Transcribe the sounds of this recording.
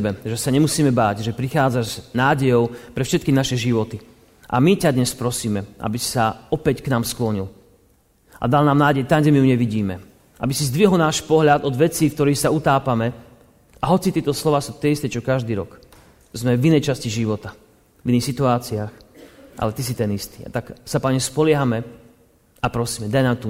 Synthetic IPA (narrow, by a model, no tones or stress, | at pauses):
bɛʒɛsaɲɛmusiːmɛbaːɟʒɛpɾixaːd͡zaʒznaːɟɛjɔʊpɾɛfʃɛt̪kinaʃɛʒiʋɔt̪i | ʔa̰micad̪ɲɛspɾɔsiːmɛʔa̰bisi̥saɔpɛcknaːmsklɔɲil | ʔa̰d̪alnaːmnaːɟɛjt̪aɲɟɛmijuɲɛʋiɟiːmɛ | ʔa̰bisizd̪ʋiɦɔlˠnaːʃpɔɦʎad̪ɔd̪ʋɛt͡siːkt̪ɔɾiːxsaut̪aːpamɛ | aɦɔt͡sit̪ɪɛt̪ɔslɔʋaːsuːt̪ɪɛist̪ɛt͡ʃɔkaʒd̪iːɾɔ̰k | zmɛvinɛjt͡ʃasciʒiʋɔt̪a | viniːxsit̪uaːt͡siaːxʔa̰lɛt̪is̬it̪ɛnist̪i̥ːa̰t̪aksapaɲɛspɔlɪɛɦamɛ | apɾɔsiːmɛd̪ajnaːmt̪u